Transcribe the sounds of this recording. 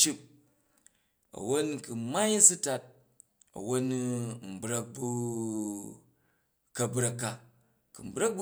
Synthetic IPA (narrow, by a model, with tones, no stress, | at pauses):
t͡ʃi˦p̚ | ɐ̰˨wo˦nku˨ma˦jsu˦ta˧t̚ | ɐ̰˨wo˦n˦m̩˨bɾɐ˦k̚bu˦ | kɐ˦˨bɾɐ˧kːa˦ | ku˨m̩˨bɾɐ˦k̚b